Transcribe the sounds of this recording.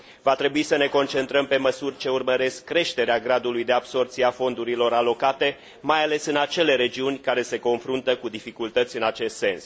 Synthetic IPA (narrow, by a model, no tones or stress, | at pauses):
vat̪ɾe̞buisəne̞ko̞nt͡ʃe̞nt̪ɾəmpe̞məsurʲt͡ʃe̞urməɾe̞skːɾe̞ʃt̪e̞ɾeaɡɾad̪ulujd̪e̞abso̞rt̪sijafo̞nd̪uɾilo̞ɾalo̞kat̪e̞ | majale̞sɨnat͡ʃe̞le̞ɾe̞d͡ʒiunʲkaɾe̞se̞ko̞nfɾunt̪əkud̪ifikult̪ət̪sʲɨnat͡ʃe̞st̪se̞ns